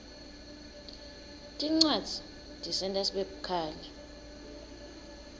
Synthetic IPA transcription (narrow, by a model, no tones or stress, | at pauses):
tʼiŋ͡ǀwad̥z̥ʱi̥ | tʼisɛntʼasɓeɓukʰaːlɛ